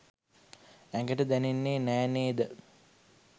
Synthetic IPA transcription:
æŋɡəʈəd̪ænenːeːnæːneːd̪ə

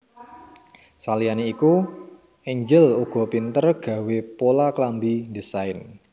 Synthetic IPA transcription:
salianeiku | eɲd͡ʒəluɡ̥ɔ̤pint̪ərɡ̥a̤wepolaklambidisaɪn

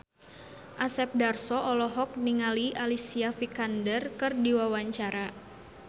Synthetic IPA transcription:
ʔasɛp̚darsɔʔɔlɔɦɔk̚niŋaliʔalisiafikandərkɨrdiwawaɲt͡ʃaɾa

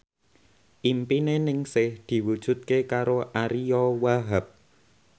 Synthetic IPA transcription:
ʔimpinenɪŋsɪhd̪̥i̤wud̥ʒ̥ṳt̪̚kekaɾoʔaɾiɔwaɦəp̚

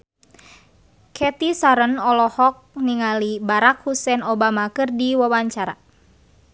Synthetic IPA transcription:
kʰɛt̪isaɾənɔlɔhɔk̚niŋalibaɾakhusɛnɔbamakɨrdiwawaɲt͡ʃaɾa̰

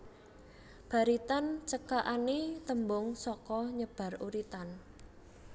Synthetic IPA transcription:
b̥a̤ɾit̪ant͡ʃəkaʔanet̪əmbʊŋsɔkɔɲəb̥a̤ruɾit̪an

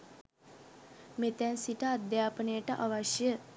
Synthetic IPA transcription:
met̪ɛnsiʈəad̪jaːpənəjəʈəʔaʋaʃjə

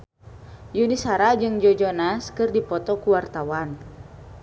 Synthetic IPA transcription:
junisaɾad͡ʒɨŋd͡ʒɔd͡ʒɔnaskɨrdipɔt̪ɔkuwart̪awan

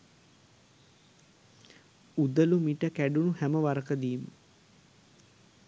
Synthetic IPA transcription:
ud̪əlumiʈəkæɖunuhæməʋaɾəkəd̪iːmə

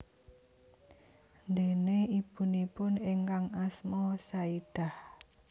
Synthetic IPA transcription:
nd̪eneib̥unipʊneŋkaŋasmɔsaid̪̥a̤h

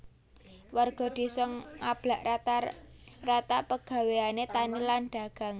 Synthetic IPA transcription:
warɡ̥ɔ̤d̪̥i̤sɔŋab̥laʔat̪arat̪apəɡ̥ä̤weanet̪anilanɖ̪̥a̤ɡ̥a̤ŋ

